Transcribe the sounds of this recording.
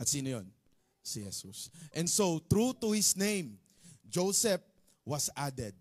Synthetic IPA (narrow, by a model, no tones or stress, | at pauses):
ʔɐt̪siːnojon | sihɛsusʔɛ̃nd̪sot̪ɾut̪uhɪsnẽjm | d͡ʒowsɛp̚ | wɐsad̪ɛd̪̚